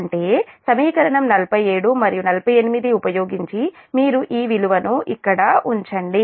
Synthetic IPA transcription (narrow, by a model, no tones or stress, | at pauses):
ɳʈe̞ːsɐmiːkɐɾɐɳɐmnɐlpɐjeːɽumɐɾijunɐlɐpɐje̞nimid̪iupɐjo̞ːɡiɲt͡ʃimiːɾuʔiːʋiluʋɐnuʔikːɐɽɐuɲt͡ʃɐɳɖi